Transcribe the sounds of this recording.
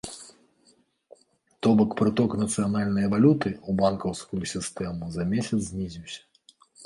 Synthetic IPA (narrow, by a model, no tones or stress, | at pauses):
t̪ɔbɐkpɾɨt̪ɔknɐt̪sɨjanalʲnɐjɐvalʲut̪ɨubankɐwskujusʲist̪ɛmuzɐmʲesʲɐt̪zʲzʲnʲizʲiwsʲɐ̥